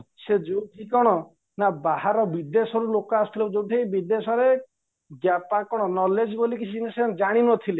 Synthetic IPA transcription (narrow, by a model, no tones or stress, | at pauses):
sed͡ʒowʈʰikɔɽ̃ɔ | nabahaɾɔbid̪esɔɾulokɔast̪ʰilɔd͡ʒowʈʰibid̪esɔɾe | ɡjapakɔɽ̃ɔnɔled͡ʒbolikit͡ʃʰinesed͡ʒaɽ̃inɔt̪ʰile